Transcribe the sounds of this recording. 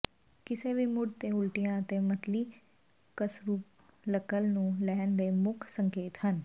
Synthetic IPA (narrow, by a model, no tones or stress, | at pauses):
kɪseːʋiːmʊɽt̪eːʊlʈijãːət̪eːmət̪liː | kəsɾuːp | ləkəlnũːlɛːnd̪eːmʊkʰsəŋkeːt̪ɦən